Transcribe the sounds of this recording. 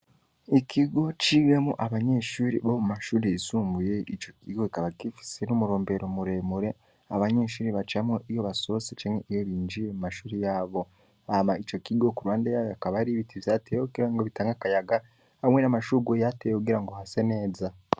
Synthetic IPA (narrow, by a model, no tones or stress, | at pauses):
ikʰiɡo̞t͡ʃiɡemuʔaβaɲe̞ʃuːɾḭβomumaʃuːɾeisuːmbuje̞it͡ʃo̞kiɡo̞ikaβakifi̥senumuɾo̞ːmbe̞ɾo̞muɾe̞muɾe̞ | aβaɲe̞ːʃuːɾiβat͡ʃamoʔijo̞βaso̞set͡ʃemeʔijoβiːɲd͡ʒiɾemumaʃuːɾijaːβo̞ | amait͡ʃo̞kiɡokuɾwaːndejajakaβaɾiβitijaːteːjokuɡiɾaŋɡo̞βitaːŋɡakajaɡa | hamwenamaʃuːɾɡojatejekuɡiɾaŋɡo̞hase̞ne̞ːza